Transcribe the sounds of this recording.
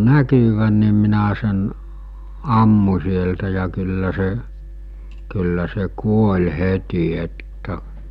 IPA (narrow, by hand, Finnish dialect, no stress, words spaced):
nækyʋæn̆ ni minæ sen ɑmːu̟ sieltæ jɑ kylːæ se kylːæ se kuolʲ heti etːæ